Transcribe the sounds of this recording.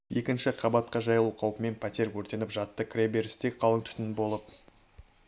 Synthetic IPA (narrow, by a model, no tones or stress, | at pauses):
je̞kʲɪnʃɪqʰɑbɑt̪̚qɑʒɑjəlˠuqʰɑwpəme̞npʰæt̪ʲeɾkʰɵɾt̪e̞nɪpʒɑt̪ːəkʰrʲebeɾɪst̪ek̚qʰɑlˠəŋt̪ʰʏ̥t̪ɪnbo̞lˠəp̚